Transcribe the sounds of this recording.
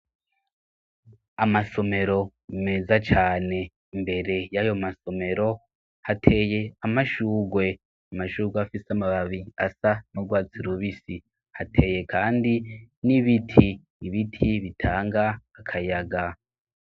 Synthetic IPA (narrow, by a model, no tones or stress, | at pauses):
amaso̞me̞ɾo̞ | me̞zat͡ʃaːne̞ | imbe̞ɾe̞jajo̞maso̞me̞ɾo̞ | hatʰe̞je̞amaʃuːɡwe̞ | amaʃuːɡweafisamaβaβiasanuɡwaːt͡siɾuβisi | hatʰe̞je̞kʰaːndiniβitʰiː | βitʰiβitʰaːŋɡaːkʰajaɡa